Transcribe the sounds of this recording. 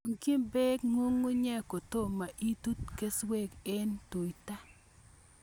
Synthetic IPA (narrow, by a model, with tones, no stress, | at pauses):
ŋki˦mbe˦kŋo˦ŋːu˦ɲɛ˦ko˨t̪o˦˨ma˨ʔi˦tu˦tke˦swe˦ke˦ntu˨jta˦